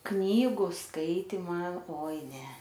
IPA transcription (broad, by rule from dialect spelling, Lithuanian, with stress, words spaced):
ˈknʲiːɡʊ ˈskɐɪtʲɪmɐ ˈoːɪ ˈnʲɛ